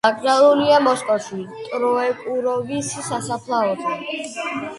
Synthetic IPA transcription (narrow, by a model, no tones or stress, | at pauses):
akʼzalˠuliamɔskʼɔʃit̪ʼɾɔɛkʼuɾɔbisisasapʰlˠaɔt̪ʰa